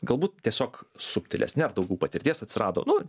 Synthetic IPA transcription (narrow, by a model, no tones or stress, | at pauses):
ɡɐlˠbuːt̪t̪ʲiɛsʲoːksʊpʲt̪ʲɪlʲɛ̰snʲɛɐrd̪ɐʊɡʲɛʊːpɐt̪ʲɪɾʲt̪ʲiɛsɐt̪ʲsʲɪrʔɑ̰ːd̪o̰ːnʊ